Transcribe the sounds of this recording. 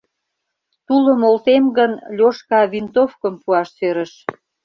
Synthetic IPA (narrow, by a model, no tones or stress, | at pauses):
t̪uləmolt̪emɡənlʲoʃkɑβint̪ofkəmpuɑʃsøɾəʃ